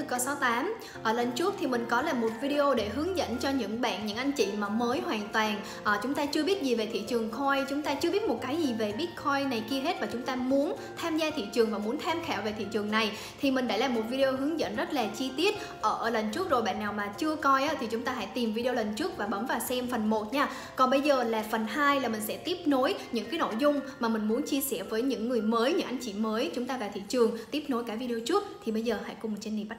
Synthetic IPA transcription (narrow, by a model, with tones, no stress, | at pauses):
ɨ˧kə˧sa˨˦wt̪aː˨˦m | ʔəː˧˩lə˧˩n̟t͡ɕu˦˥p̚t̪ʰi˨˩mï˨˩ŋ̟kɔ˨˦laː˨˩mo˨˩t̚vi˧ɗe˧ʔo˧ɗe˧˩ɦɨ˨˦əŋzə̰˧˥nt͡ɕɔ˧ɲɨ̰˧˥ŋɓa̰ː˧˨nɲɨ̰˧˥ŋʔa˧jŋ̟t͡ɕḭ˧˨maː˨˩məː˨˦jɦwaː˨˩nt̪waː˨˩n | ʔəː˨˩t͡ɕʊ˨˦ŋ͡mt̪aː˧t͡ɕɨ˧əɓi˦˥ət̚zi˨˩ve˨˩t̪ʰḭ˧˨t͡ɕɨ˨˩əŋkʰɔ˧jt͡ɕʊ˨˦ŋ͡mt̪aː˧t͡ɕɨ˧əɓi˦˥ət̚mo˨˩t̚kaː˨˦jzi˨˩ve˨˩ɓi˦˥ət̚kʰɔ˧jna˨˩jki˧əɦe˦˥t̚vaː˨˩t͡ɕʊ˨˦ŋ͡mt̪aː˧mu˨˦ən | t̪ʰaː˧mzaː˧t̪ʰḭ˧˨t͡ɕɨ˨˩əŋvaː˨˩mu˨˦ənt̪ʰaː˧mxaː˧˩wve˨˩t̪ʰḭ˧˨t͡ɕɨ˨˩əŋna˨˩j | t̪ʰi˨˩mï˨˩ŋ̟ɗa̰ː˧˥laː˨˩mo˨˩t̚vi˧e˧o˧ɦɨ˨˦əŋzə̰˧˨nzə˦˥t̚laː˨˩t͡ɕi˧t̪i˦˥ət̚ | ʔəː˧˩lə˨˩ŋ̟t͡ɕu˦˥ək̚zo˨˩jɓa̰ː˧˨˩nːaː˨˩wmaː˨˩t͡ɕɨ˧əkɔ˧jʔaː˨˦t̪ʰi˨˩t͡ɕʊ˨˦ŋ͡mt̪aː˧ɦa̰ː˧˥jt̪i˨˩mvi˧ɗe˧lə˨˩ŋ̟t͡ɕu˦˥ək̚vaː˨˩ɓə˨˦mvaː˨˩wsɛ˧mfə˨˩nmo˨˩t̚ɲaː˧ | kɔ˨˩nɓə˧jzəː˨˩laː˨˩fə˨˩nɦaː˧jlaː˨˩mï˨˩ŋ̟sɛ̰˧˥t̪i˦˥əp̚no˨˦jɲɨ̰˧˥ŋkaː˨˦jno̰˧˨jzʊ˧ŋ͡mmaː˨˩mï˨˩ŋ̟mu˨˦ənt͡ɕi˧əsɛ̰˧˩vəː˨˦jɲɨ̰˧˥ŋːɨ˨˩əjməː˨˦jɲɨ̰˧˥ŋʔa˧jŋ̟t͡ɕḭ˧˩məː˨˦jt͡ɕʊ˨˦ŋ͡mt̪aː˧va˨˩t̪ʰḭ˧˨t͡ɕɨ˨˩əŋt̪i˦˥p̚no˨˦jkaː˧˩k̚vi˧ɗe˧o˧t͡ɕu˦˥əp̚t̪ʰi˨˩ɓə˧jzəː˨˩ha̰ː˧˥jkʊ˨˩ŋ͡mm˨˩t̚t͡ɕe˧nḭ˨˩˨ɓa˦˥